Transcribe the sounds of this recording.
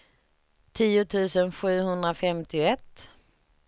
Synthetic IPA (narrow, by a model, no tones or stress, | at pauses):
t̪ʰiːʊt̪ʰʉ̟ːsənɧʉ̟ːhɵnd̪ɾafɛmt̪ɪʊɛt̪ː